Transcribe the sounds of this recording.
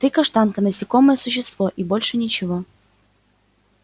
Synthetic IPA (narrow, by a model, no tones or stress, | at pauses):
t̪ɨkɐʂt̪ɑnkənɐsʲɪkoməjəsʊɕːɪst̪voʔibolʲʂɨnʲɪt͡ɕɪvo